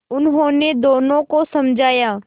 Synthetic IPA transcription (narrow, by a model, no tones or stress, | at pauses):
ʊnɦõːned̪oːnõkosɐmd͡ʒʱaːjaː